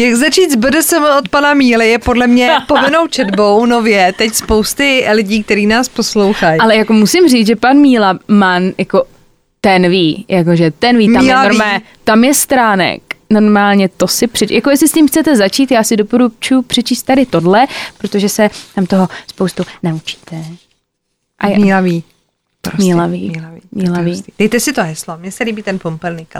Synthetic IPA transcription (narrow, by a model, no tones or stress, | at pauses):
jaɡzat͡ʃiːd̪zbədʊsɛmot̪̚panamiːlɪjɛpodlɛmɲɛpovɪnowt͡ʃɛdbo̞wnovjɛt̪ɛcspowst̪ɪlɪɟiːk̚t̪ɛɾiːnaːsposlowxajalɛjakomusɪmr̝iːt͡sʒɛpanmiːlamanjako̞ | t̪ɛnviːjʔakoʒɛt̪ɛnviːmt̪amɛlvɾmɛ | t̪amjɛst̪ɾaːnɛ̰kno̞ɾmaːlɲɛt̪o̞sɪpr̥ɛt͡ʃjakojɛslɪscimxt͡sɛt̪ɛzat͡ʃiːt̪jaːsɪdopoɾut͡ʃujupr̝̥ɛt͡ʃiːst̪ːadɪt̪o̞dlɛpɾot̪oʒɛsɛt̪amt̪oɦospowst̪unaut͡ʃi̥ːt̪ɛ | ʔamilaviː | ɾmiːlaviːimiːlaviːd̥ɛjt̪ɛsɪt̪oɦɛslomɲɛsɛliːbiːt̪ɛnpompɛlnika